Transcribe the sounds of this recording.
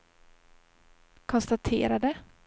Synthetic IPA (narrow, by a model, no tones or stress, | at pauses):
kʰɔnst̪at̪ʰḛːɾad̪ə